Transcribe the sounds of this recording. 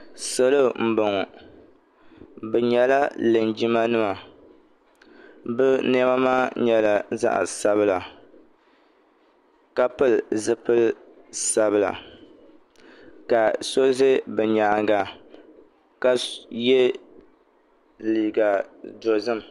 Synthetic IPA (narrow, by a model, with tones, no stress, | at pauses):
so˦lo˦m̩˨bɔ˨ŋɔ˨ | bɛ˨ɲɛ˨la˦lɨ˨nd͡ʒi˦ma˦nɨ˦ma˨ | bɨ˦nɛ˦ma˦maː˦ɲɛ˦la˨za̰˦ʔa̰˨sa˦βɨ˦la˨ | ka˦pɨ˦lzɨ˦pɨ˦l | sa˦bɨ˨la̰˨ | ka˨so˦ze˦bɛ˨ɲaː˨ɡa˨ | ka˦je˦ | liː˨ɡa˨do˨zɨ˦m˨